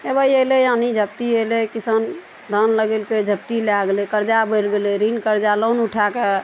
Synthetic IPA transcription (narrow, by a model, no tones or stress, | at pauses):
ebəjelejanid͡ʒʱəp̚t̪ielekisən | d̪ʱənləɡelked͡ʒʱəp̚t̪ileaɡelekəɾd͡ʒabəlɡeleɾinkəɾd͡ʒalonuʈʰake